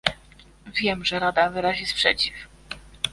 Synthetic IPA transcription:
vʲjɛmʐɛɾad̪avɘɾaʑispʂɛ̰t͡ɕif

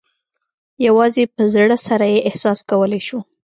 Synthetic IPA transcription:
jawɑzepəzɽəsaɾajeʔɪhsɑskawəlajʃu

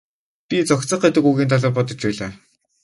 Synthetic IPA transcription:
pʲit͡sɔkt͡sə̆χet̪ɘ̆kuɣiːnt̪ʰaɮɔːpɔt̪ɞ̆t͡ɕpæːɮaː

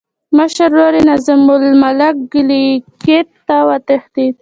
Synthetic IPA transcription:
məʃaɾːoɾinazəmʊlmalak̚ɡəliket̪ːawat̪exd̪id̪

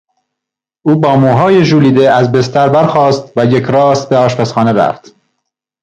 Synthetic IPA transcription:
ʔuːbɒːmuːɦɒːjeʒuːliːd̪eæzbest̪æɾbæɾxɒːst̪væjecɾɒːst̪̚beɒːʃpʰæsχɒːneɾæ̰ft̪

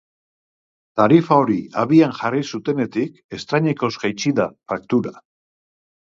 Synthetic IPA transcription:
t̪aɾifao̞ɾiaβianʝarisut̪e̞ne̞t̪ik | e̞st̪ɾaɲeko̞zɡajt͡siðafak̚t̪uɾa

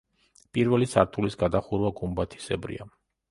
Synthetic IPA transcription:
pʼiɾvɛlisaɾt̪ʰulisɡad̪aχuɾvaɡumbat̪ʰi̥sɛbɾḭa

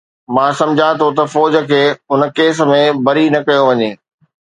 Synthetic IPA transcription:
mãːsɐ̃md͡ʑʱat̪ʰot̪ɐfɔːd͡ʑə̆kʰeːʊnə̆keːs̬̆mẽbɐɾinɐkɐjoʋɐɲeː

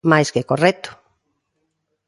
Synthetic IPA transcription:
majskekorɛt̪ʊ̥

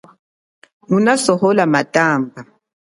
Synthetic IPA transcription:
ŋunasɔhɔlamatʼaːmba

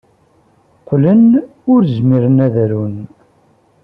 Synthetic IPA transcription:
qlən | ʊɾzmiɾənæðɾun

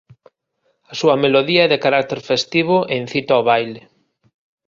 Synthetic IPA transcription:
ɐsuɐmeloðiɐɛðekaɾak̚t̪eɾfest̪iβ̞oʔen̟θit̪aoβajle

